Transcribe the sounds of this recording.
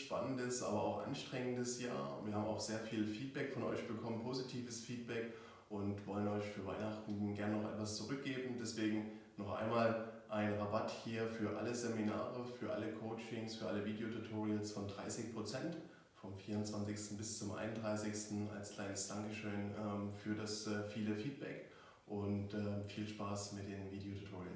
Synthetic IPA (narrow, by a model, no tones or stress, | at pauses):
ʃpa̰nəndəsʔa̰ːbɐa̰ʊxʔa̰nʃtʁ̥ɛŋəndəsja̰ːɐviːɐhaːbm̩a̰ʊxz̥eːɐfiːlfiːt̚b̥ɛkfɔnʔɔ̰ʏçb̥əkʰɔmənpʰozitʰiːvəsfiːt̚b̥ɛk | ʔʊntv̥ɔlənɔʏçfyːɐva̰ɪnaχtn̩ɡɛɐnənɔχʔɛ̰tv̥ast͡suʁʏk̚ɡ̥eːbm̩dɛsv̥eːɡŋ̩ | nɔχʔa̰ɪnmaːlʔaɪnʁabathiːɐfyːɐʔa̰ləzemina̰ːʁəfyːɐʔa̰ləkʰoʊt͡ʃɪŋsfyːɐʔaləviːdejotʰutʰoːʁiənsfɔndʁa̰ɪsɪçpʁ̥ot͡sɛnt | fɔmfiːɐʊntt͡sv̥ant͡sɪçstn̩bɪst͡sʊmʔa̰ɪnʊndʁaɪsɪçstn̩a̰lskl̥aɪnəsd̥aŋkəʃøːnɛːmfyːɐdasɛːfiːləfiːt̚b̥ɛk | ʔʊntɛːmfiːlʃpaːsmɪt̚d̥eːnviːdeotʰu̥tʰoːʁiən